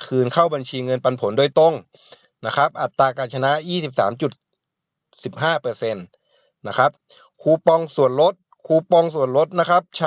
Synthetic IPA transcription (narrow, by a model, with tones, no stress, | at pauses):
kʰɯː˧nkʰa˥˩wba˧nt͡ɕʰiː˧ŋɤ˧npa˧npʰo˩˦ndoː˧˩jt̪o˧˥˩ŋ | na˦˥kʰa˦˥p̚ʔa˨˩t̪ːaː˧kaː˨˩t̪̚t͡ɕʰa˧na˦˥jiː˥˩si˨˩p̚sa̰ː˩˦mt͡ɕu˨˩t̪̚ | si˨˩p̚ɦaː˥˩pɤː˧se˧nː | a˦˥kʰa˦˥p̚ | kʰuː˧pɔ˧ŋsu˨˩ənlo˦˥t̪̚ | kʰuː˧pɔ˧ŋsu˨˩ənɾo˦˥t̪̚na˦˥kʰa˦˥p̚t͡ɕʰa˦˥